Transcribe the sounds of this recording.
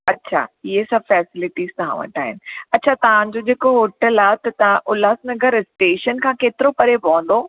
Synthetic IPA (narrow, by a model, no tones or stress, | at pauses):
ɐtːɕʰa̰ːiɦesɐ̃bfɛːsɪlɪʈiːz̥t̪ɐɦã̰ʋɐ̰ʈʰaːɦɪ̰nɪ̆ɐtːt͡ɕʰat̪ɐʋ̤ãd͡ʑod͡ʑeːkoɦoːʈəlaːt̪ɐt̪ɐãʔʊlaːsnɐɡʱəɾɪsʈeːʃənkʰãːkeːt̪ɪɾopɐɾepɐə̃n̆d̪oː